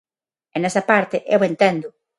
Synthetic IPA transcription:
enesɐpaɾt̪eʔewent̪end̪ʊ

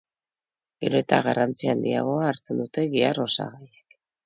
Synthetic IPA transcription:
ɡe̞ɾo̞et̪aɣarant͡siaːnd̪ia̰ɣ̞o̞aːɾt͡se̞nd̪ut̪e̞ɣiaro̞sa̰ɣajek

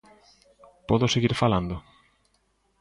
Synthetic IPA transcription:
pɔðʊseɣiɾfaland̪ʊ

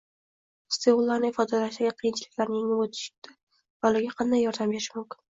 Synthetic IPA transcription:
st̪eulˠːaɾnɪɪfɒd̪alaʃd̪aɡʲaqʰijɪnt͡ʃʰɪlɪkʲlaɾnɪjeŋɪmot̪ʰɪ̥ʃɪ̥t̪a | valɪɡʲaqʰɑnd̪ajːɒɾd̪ambeɾɪʃmʊmkʲɪ̥n

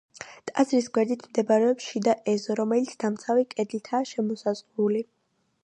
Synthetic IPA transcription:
t̪ʼazɾisɡwɛɾd̪it̪ʰmd̪ɛbaɾɛɔpsʃid̪aʔɛzɔɾɔmɛlit̪sʰd̪amt̪sʰavikʼɛd̪lit̪ʰaːʃɛmɔsazʁuli

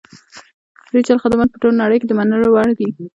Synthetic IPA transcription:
ɾit͡ʃaɾxad̪manpəʈolonaɽəjked̪əmanəlowaɽd̪i

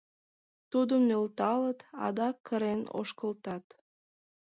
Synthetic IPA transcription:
t̪ud̪əmnølt̪ɑlət̪ɑ̰d̪ɑkʰːəɾeno̰ʃkəlt̪ɑt̪

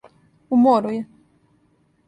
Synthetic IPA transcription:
umoɾujɛ

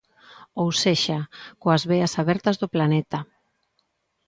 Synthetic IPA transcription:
owseʃakoazβeasaβɛɾt̪azðoplanɛt̪a

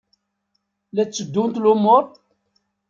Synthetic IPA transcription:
læt͡sːəd̪ːʊmt̪lʊmʊɾ

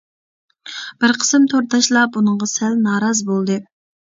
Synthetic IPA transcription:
b̥ɪɾqʰə̥sɨmt̪ʰoɾt̪ʰɑʃlˠɑbunɨŋʁɑsælnɑːɾɑzbolˠd̪ɨ

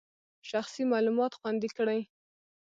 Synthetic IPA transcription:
ʃaxsimɑlumɑt̪xwand̪ikɽaj

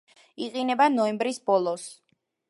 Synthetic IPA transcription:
iqʼinɛbanɔɛmbɾisbɔlˠɔs

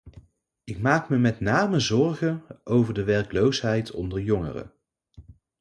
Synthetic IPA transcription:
ɪkmaːkməmɛtnaːməzɔɹɣənʔowvəɹdəʋɛɹklowsɦɛjtʰɔ̰ndəɹjɔŋə̰rə̰

